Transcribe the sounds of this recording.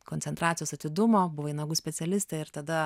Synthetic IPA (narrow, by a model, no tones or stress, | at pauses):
konʲsʲɛnt̪ɾɑːt̪sʲjoːsɐt̪ʲɪd̪ʊmoːbʊʋoɐɪnɐɡuːsʲpʲɛsʲɛlʲɪst̪eɪɾt̪ɐd̪ɐ